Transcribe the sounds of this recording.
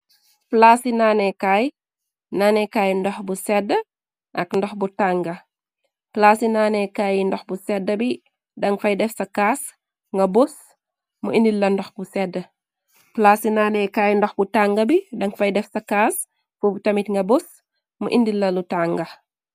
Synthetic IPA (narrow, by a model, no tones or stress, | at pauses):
plasinaːnɛkaj | naːnɛkaːjndɔxbusɛdːə | ʔɐkndɔxbutaŋɡɐ | plasinaːnɛkaːjndɔxbusɛdːəbi | dɐŋfɐjdɛfsɐkaːs | ŋɡɐbus | muindilːɐndɔxbusɛdːə | plasinaːnɛkaːjndɔxbutaŋɡɐbidɐŋfɐjdɛfsɐkaːs | fubutɐmitŋɡɐbos | mṵʔindilːɐlutaŋɡɐ